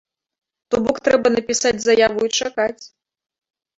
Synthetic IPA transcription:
t̪ɔbɔkt̪ɾɛbɐnɐpʲisad͡zʲzɐjavuit͡ʂakat͡sʲ

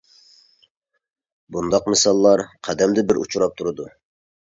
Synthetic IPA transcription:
bund̪ɑqmɪsɑlˠːɑɾqʰæd̪ɛmd̪ɪbɪɾṵt͡ʃʰuɾɑp̚t̪ʰuɾɨd̪u

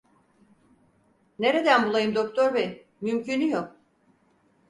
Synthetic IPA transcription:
ne̞ɾed̪ænbulˠajɯmd̪o̞k̚t̪ʰoɾvej | mymcʰynyjok̚

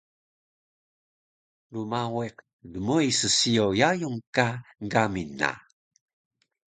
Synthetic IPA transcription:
lumaweq | dəmuisəsiowjajuŋkaŋɡaminːa̰

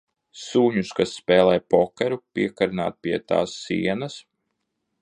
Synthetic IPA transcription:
suːɲuskasːpɛːlˠɛːjpɔkɛɾupʲiɛkaɾna̰ːt̪̚pʲiɛt̪a̰ːsːḭɛnɐs

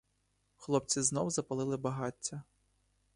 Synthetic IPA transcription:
xlˠɔpt͡sʲiznɔwzɐpɐlˠɪlˠɪbɐɦɑtʲːɐ

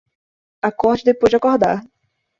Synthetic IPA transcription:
akɔɾd͡ʒɪd̪epojzd͡ʒɪakɔɾd̪a̰ɾ

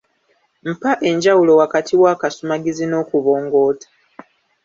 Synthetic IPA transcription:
m̩paʔe̞ɲɟawulo̞wakatʰiwaːkasumaɡizino̞ːkuβo̞ːŋɡo̞ːtḁ

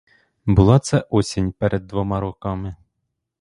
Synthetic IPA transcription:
bʊlˠɑt̪sɛʔɔsʲɪnʲpɛɾʔɛd̪ːʋɔmɑɾɔkɑmɪ

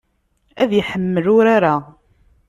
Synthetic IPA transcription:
æðjəħəmːəlʊɾaɾa

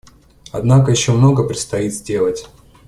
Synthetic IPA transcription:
ɐd̪nakəjɪɕːomno̞ɡəpɾʲɪt̪st̪ɐit̪zʲdʲe̞lˠətʲ

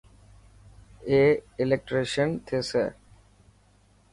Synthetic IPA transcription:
eɪlek̚ʈɾeːʃənt̪ʰeːsḛː

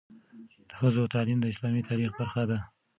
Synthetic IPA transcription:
d̪̥əxəzoat̪aʕlimd̪əɪslɑmit̪ʰɑɾixbaɾxad̪a

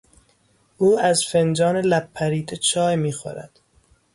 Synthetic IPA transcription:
ʔuːæzfend͡ʒɒːnelæpʰːæɾiːd̪ʰet͡ʃʰɒːjmiːxo̰ɾæ̰d̪̥

